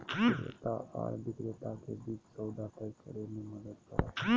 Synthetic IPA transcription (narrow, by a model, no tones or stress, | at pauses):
iḛt̪aa̰ɾbʱit̪ɾet̪ak̪ebiːksəwd̪at̪ajkəɾemiməd̪ət̪kə̰ɾa̰